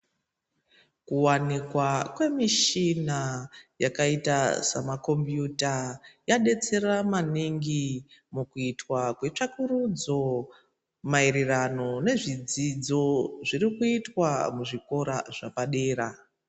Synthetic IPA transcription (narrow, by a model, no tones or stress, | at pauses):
kuwanikwakwe̞miʃinajakaitasamako̞mbjutajaɗe̞t͡se̞ramaniŋɡimukuitwakwe̞t͡ʂakuɾud͡zo̞ | mairirano̞ne̞ʐid͡zid͡zo̞ʐirikuitwamuʐiko̞ɾa̰ʐ̥apaɗeːɾa